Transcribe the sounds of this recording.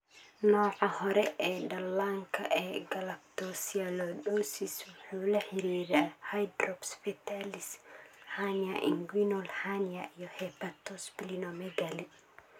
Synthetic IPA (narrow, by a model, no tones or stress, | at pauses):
nɔːʕahɔɾɛʔɛːɗɐlːaŋkʰɐ̰ʔɛːɡɐlɐp̚t̪ɔsialɔɗosiswʊħuːlɐħɪɾiːɾaːhajd̪ɾɔbspit̪alishaniaʔḭŋɡwinɔlhaniaʔijɔhɛpat̪ɔspilinɔmɛɡali